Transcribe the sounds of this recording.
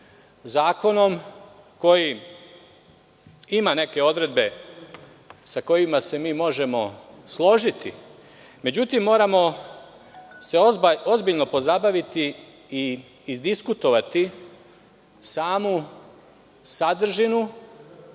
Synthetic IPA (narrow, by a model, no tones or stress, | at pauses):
zaːko̞no̞m | ko̞ji | imane̞ke̞o̞d̪ɾe̞d̪̚be̞ | sako̞jimase̞miːmo̞ʒe̞mo̞slˠo̞ʒit̪ḭ | me̞d͡ʑut̪imːo̞ːɾamo̞ | se̞oo̞zbiʎno̞po̞zabaʋit̪i | iː | zd̪iskut̪o̞ʋat̪i | saːmu | sad̪r̩ʒinu